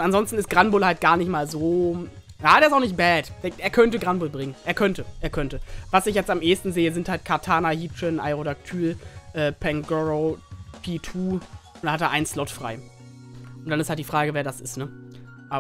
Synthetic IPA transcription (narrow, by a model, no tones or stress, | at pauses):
ʊntanzɔnstn̩ɪstɡ̥ʁanbʊlhalt̚ɡ̥aːɐnɪçtmaːlzoː | jaːdeːɐɪstaʊxnɪçt̚b̥ɛːtd̥eːeːɐkʰœntəɡʁanbʊlbʁɪŋənʔeːɐkʰœntəʔeːɐkʰœntəvasɪçjɛt͡stamʔeːstn̩zeːəzɪnthalt̚kʰaɐtʰaːnahiːpʃənʔa̰ɪʁodak̚tʰyːlʔɛːpʰɛŋɡɔʁopʰiːtʰuːʊntdanhateɐʔaɪnənslɔtfʁ̥a̰ɪ | ʔʊntd̥anɪsthaltdiːfʁ̥aːɡəveːɐdasɪstnə | ʔa